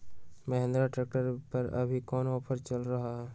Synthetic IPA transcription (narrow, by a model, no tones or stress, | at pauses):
mɐɦẽnd̪ɾaʈɾeːk̚ʈəɾpɐɾɐ̰bʱikɔːnɔːpʰəɾt͡ʃəlɾɐɦaɦɛ